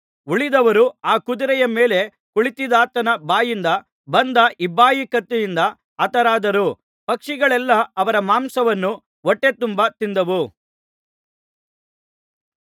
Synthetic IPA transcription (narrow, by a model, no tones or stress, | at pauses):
uɭid̪ɐʋɐɾuaːkud̪uɾɛjɐmeːle̞ | kuɭit̪id̪aːt̪ːɐnɐbaːjind̪ɐ | bɐnd̪ɐʔibːaːjikɐt̪ːujind̪ɐ | ɐt̪ɐɾaːd̪ɐɾu | pɐkʂiɡɐɭɛlːɐːʋɐɾɐmaːmsɐʋɐnːu | ɔʈːe̞t̪umbɐt̪ind̪ɐʋu